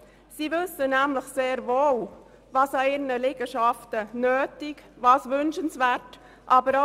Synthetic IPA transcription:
siːvʏsənæmləχseːɾvoːl | vɑːsɑɪːɾnəlɛɡəʃɑftənøːtɪkvɑːsʋʏnʃənsvæɾt | ʔɑːbəɾo

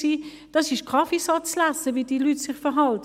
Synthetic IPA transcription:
siː | d̥ɑsɪʃkʰɑfisɑt͡slasəviːdilyːtsɪχfəɦɑlt

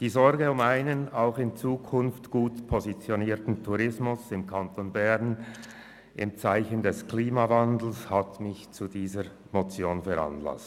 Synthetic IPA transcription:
d̥iːzɔɾɡəʊmaɪnənaʊxɪnt͡suːkʰʊnftɡ̥uːtpʰozit͡sjoniːtn̩tʰuʁɪsmʊsɪmkʰantʰonbɛʁn | ʔɪ̰mt͡saɪçəndɛskliːmavandl̩shatmɪçt͡sudiːzəɾ | mot͡sjoːnfɛɾa̰nla̰st

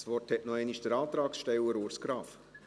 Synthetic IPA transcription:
sʋɔrthɛʔnɔɛɪniʃd̥əɾɑːt̪ɾɑːksʃtɛwəɾuːɾskɾɑːf

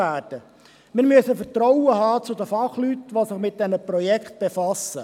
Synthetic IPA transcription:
æːrd̥ə | mɪːɾmyəsəfəɾtɾɔwəɦɑːt͡sʊd̪əfɑχlyt̪ʋosɪχmɪt̪̚d̥̪ɛnəpɾɔjɛkχt̪̚b̥efɑsə

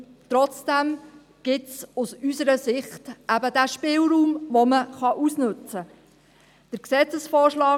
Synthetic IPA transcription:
tɾɔt͡sd̥æm | ɡ̥ɪtsusysəɾəsɪχtʔæbədæːʃpɪːlɾuːmʋɔməχɑʔusnɵt͡sə | d̥əɾksɛt͡səsfɔːʃlɑː

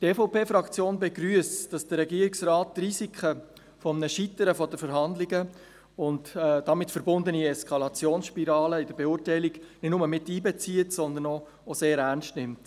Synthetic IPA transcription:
teːfoʊpeːfɾɑkt͡sjoːnbɛɡɾyəsd̥ɑsd̥əɾːɛɡiːəɾiksrɑːtːrizikʰə | fɔmnəʃitəɾəfɔdəfəɾɦɑndlɪɡə | ʊntːdɑmɪtfəɾbʊndəniɛskʰɑlɑt͡sjoːnsʃpiɾɑːləɪdəɾbeʊɾtɛɪliɡ̥nɪtnʊməmɪtːiːbɛt͡siətsɔnd̪ənɔ | oseːɾærnstnɪmt

